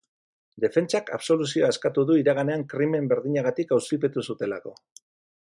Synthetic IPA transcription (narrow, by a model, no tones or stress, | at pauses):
d̪e̞fe̞nt͡ʃaka̰βso̞lusio̞ae̞skat̪uðuiɾaɣ̞ane̞aŋkɾime̞mbe̞ɾðiɲaɣ̞at̪ikawsipe̞t̪usut̪e̞lako̞